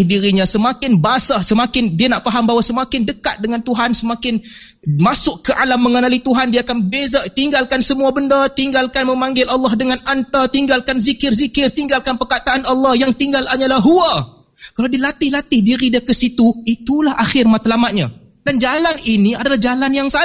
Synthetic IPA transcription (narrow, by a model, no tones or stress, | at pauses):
hdiɾiɲãsəmakɪnbaasasəmakɪndianaʔfaɦambawasəmakɪndəkat̪̚dəŋant̪uɦansəmakɪn | masʊkkəʔalamːəŋənalit̪uɦandiaːkanbezat̪iŋɡalkansəmuabəndat̪iŋɡalkanmə̃maŋɡɪlʔɑlːɑhdəŋanant̪at̪iŋɡalkanzikɪrzikɪrt̪iŋɡalkanpərkat̪aʔːnɑlːɑhjaŋt̪iŋɡalaɲalaɦua | kalawdialat̪ɪhlat̪ɪhdiɾidiakəsit̪uit̪ulahʔaxɪrmat̪lamat̪̚ɲa | dand͡ʒalaniniadalahd͡ʒalanjaŋsa